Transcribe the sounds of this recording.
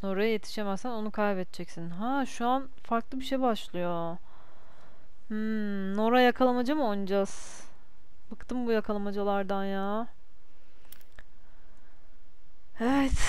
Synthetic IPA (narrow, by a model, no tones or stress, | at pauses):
no̞ɾajaje̞t̪ʰi̥ʃe̞mɛzsæno̞nukʰajbɛt̪̚t͡ʃʰɛcsinɦaʃuan | faɾklˠɯbiʃejbaʃlˠɯjo̞ | m̩ː | no̞ɾajakʰalˠamad͡ʒamɯojnud͡ʒaz̥ | bakt̪ʰɯmbujakʰalˠamad͡ʒalˠaɾd̪anjaː | evɛt̪